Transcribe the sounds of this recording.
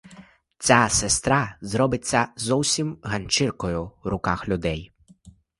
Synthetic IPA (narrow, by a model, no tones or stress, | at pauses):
t͡sʲasest̪ɾazɾɔbɪt͡sʲːɐzɔwsʲimɦɐnʲt͡ʃɪrkɔjʊwɾʊkaxlʲʊd̪ɛj